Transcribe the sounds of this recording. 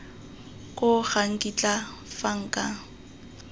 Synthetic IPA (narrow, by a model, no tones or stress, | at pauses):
kʼʊɣaŋ̩kʼit͡ɬʼa | faŋ̩ːkʼa